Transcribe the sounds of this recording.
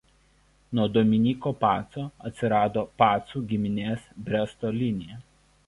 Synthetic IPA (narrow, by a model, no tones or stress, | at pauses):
nuɔd̪oːmʲɪnʲiːkopɑːt̪soːɐt̪ʲsʲɪɾɑːd̪oːpɑːt̪suːɡʲɪmʲɪnʲeːsbʲɾʲɛst̪oːlʲɪnʲɪjɛ